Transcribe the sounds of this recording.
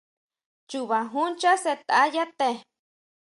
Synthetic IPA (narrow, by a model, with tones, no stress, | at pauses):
t͡ʃuβa˨ɦu˦nt͡ʃa˦se˧t̪a˦ja˦t̪e˧